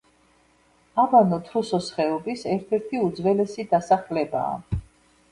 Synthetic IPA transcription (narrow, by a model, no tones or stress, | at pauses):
abanɔt̪ʰɾusɔsχɛɔbisɛɾt̪ʰɛɾt̪ʰiud̪zvɛlɛsid̪asaχlɛba̰ː